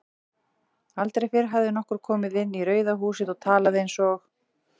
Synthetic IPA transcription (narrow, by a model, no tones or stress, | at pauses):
alt̪ɾejfɪɾ̥ɦavðɪnɔhkʏɾ̥kʰɔːmɪðɪnːiɾœːɥðaɦuːsɪðɔɣt̪ʰaːlaðɪejnsɔx